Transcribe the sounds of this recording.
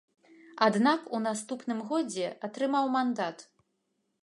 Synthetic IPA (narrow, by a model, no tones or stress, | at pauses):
ad̪nakunast̪upnɨmɣɔd͡zʲɛat̪ɾɨmawmand̪at̪